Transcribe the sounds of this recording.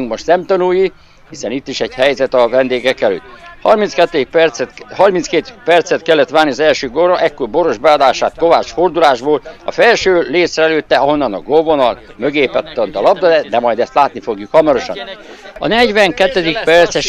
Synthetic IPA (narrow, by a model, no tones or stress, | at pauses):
uŋkmoʃt̪nɛmt̪ɒnuːji | hisɛnit̪ːiʃɛɟhɛjzɛt̪ɒvɛnd̪eːɡɛkɛlø̰ːt̪ːhɒrmint̪skɛt̪ːɛd̪ik̚pɛrhɒrmint̪skeːt̪pɛrt̪sɛt̪kɛlːɛt̪ʋaːnːiɒzɛlʃøːɡorɒʔɛkːoːrbo̞ɾo̞ʒbɛɒd̪aːʃaːt̪ko̞vaːt͡ʃford̪ulaːʒboːlɒ̰fɛlʃøːleːsrɛɛløːt̪ːɛɒɦo̞nːɒnɒɡovonɒl | møɡeːpɛt̪ːɒnt̪ɒlɒb̚d̪ɒd̪ɛd̪ɛmɒjd̪ɛst̪laːt̪nifo̞ɡjukhɒmɒɾo̞ʃɒ̰n | ɒ̰nɛɟʋɛŋkɛt̪ːɛd̪ik̚pɛrt̪sɛʃ